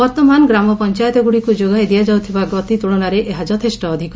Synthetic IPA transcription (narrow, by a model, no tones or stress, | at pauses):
bɔɾt̪ɔmanɡɾamɔpɔnt͡ʃajɔt̪ɔɡuɽikud͡ʒoɡajd̪ijad͡ʒawt̪ʰibaɡɔt̪it̪uɭɔnaɾeʔeɦad͡ʒɔt̪ʰesʈɔːd̪ʱikɔ